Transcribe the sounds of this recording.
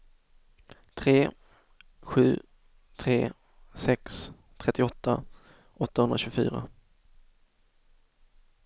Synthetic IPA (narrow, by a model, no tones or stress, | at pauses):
t̪ʰɾeː | ɧʉ̟̰ː | t̪ʰɾeː | sɛks | t̪ʰɾɛt̪ːɪɔt̪ʰːa | ʔɔt̪ːahɵnɾaɕɵɡfy̰ːɾa̰